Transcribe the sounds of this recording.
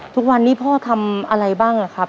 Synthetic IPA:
t̪ʰu˦˥k̚wa˧nːiː˦˥˩pʰɔː˥˩t̪ʰa˧mʔa˧ɾa˧jbaː˥˩ŋʔa˧˩kʰa˦˥p̚

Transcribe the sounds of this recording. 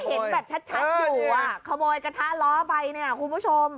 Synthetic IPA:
he˨˦˨nbɛː˨˩p̚t͡ɕʰa˦˥t̪̚t͡ɕʰa˦˥˧uː˨˩wa˧˩kʰɔ˧moː˧jka˧t̪ʰa˦˥lɔː˦˥pa˧jni˧˥˩ɐkʰu˧nbu˦˥˩t͡ɕʰo˧m

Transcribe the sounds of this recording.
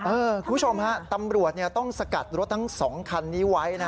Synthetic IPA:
ʔɤː˧kʰu˧˦mpʰu˦˥t͡ɕʰo˧mha˦˥t̪a˧mɾu˨˩ət̪̚ni˥˩t̪ɔ˥˩ŋsa˧ka˨˩t̪̚ɾo˦˥t̪̚ʰːa˦˥ŋsɔː˩˦ŋkʰa˧nːiː˦˥˩wa˦˥jna˦˥

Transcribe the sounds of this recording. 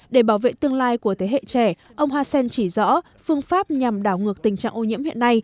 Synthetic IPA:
ɗe˧˩ɓaː˧˩wvḛ˧˨t̪ɨ˧əŋlaː˧jku˧˩ət̪ʰe˨˦hḛ˧˨t͡ɕɛ˧˩ | ʔə˧wŋ͡mɦaː˧sɛ˧nt͡ɕi˧˩zɔ̰˧˥ | fɨ˧əŋfaː˦˥p̚ɲa˨˩mɗaː˧˩wŋɨ˨˩ək̚t̪ï˨˩ŋ̟t͡ɕa̰ː˧˨ŋʔo˧ɲḭ˧˥əmhḭ˧˨ənːa˧j

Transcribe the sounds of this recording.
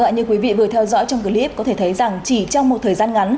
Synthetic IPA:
ɓa̰ː˧˨nɲɨ˧əkwi˨˦vḭ˧˨vɨ˨˩ət̪ʰɛ˧wzɔ̰˧˥jt͡ɕɔ˧wŋ͡mkɨ˨˩li˦˥p̚kɔ˨˦e˧˩t̪ʰə˨˦jza˨˩ŋt͡ɕi˧˩t͡ɕɔ˧wŋ͡mmo˨˩t̚t̪ʰəː˨˩jzaː˧nŋa˨˦n

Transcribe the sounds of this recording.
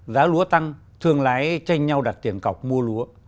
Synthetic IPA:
zaː˨˦lu˨˦ət̪a˧ŋ | t̪ʰɨ˧əŋlaː˨˦jt͡ɕa˧jŋ̟ɲa˧wɗa˨˩t̚t̪i˧˩ənkə˨˩wk͡p̚mu˧əlu˨˦ə

